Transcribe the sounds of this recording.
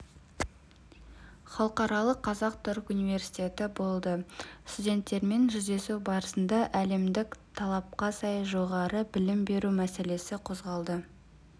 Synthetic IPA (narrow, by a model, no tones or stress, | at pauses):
χɑlˠəqɑɾɑlˠəqʰːɑzɑq̚t̪ʰʊɾkunijve̞ɾsi̥t̪ʲe̞t̪ɪbo̞lˠd̪əst̪udʲe̞nt̪ːe̞ɾme̞nʒʏzd̪e̞suwbɑɾəsənd̪ɑʔæle̞md̪ɪkt̪ʰɑlˠɑp̚qɑsɑjʒo̞ʁɑɾəbɪlɪmbe̞ɾumæse̞le̞sɪqʰo̞zʁɑlˠd̪ə